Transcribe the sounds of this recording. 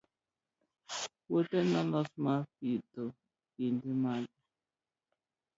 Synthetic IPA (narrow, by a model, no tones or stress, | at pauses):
wotɛnalɔsmafito | indiman